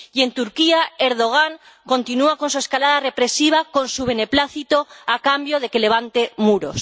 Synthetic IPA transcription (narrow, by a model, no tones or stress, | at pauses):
ie̞nt̪uɾkiae̞ɾðo̞ɣ̞aŋ | ko̞nt̪inuako̞nsue̞skalað̞are̞pɾe̞siβ̞ako̞nsuβe̞ne̞plaθit̪o̞akambjo̞ð̞e̞ke̞le̞βant̪e̞muɾo̞̰s